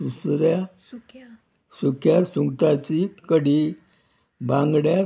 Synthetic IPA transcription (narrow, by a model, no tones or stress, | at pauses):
usɾja | sukʰjasuŋɡt̪at͡ɕikəɽi | bãŋɡɽja